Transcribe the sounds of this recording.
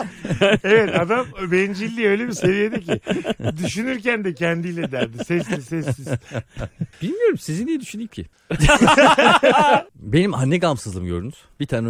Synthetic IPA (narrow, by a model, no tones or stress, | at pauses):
evɛt̪ad̪ambɛnd͡ʒilʲːiːø̞jlʲe̞bise̞vije̞d̪ɛcɪd̪yʃynyɾcænd̪ɛcʰɛnd̪ijlʲɛd̪æɾʲd̪isɛsizsɛsiz | b̥ilʲmijo̞ɾumsizind̪ijɛd̪yʃynd̪iimcʰɪ̰ | be̞nimanːɛɡamsɯzlˠɯmɟøɾynyz̥bit̪ʰaːnɛ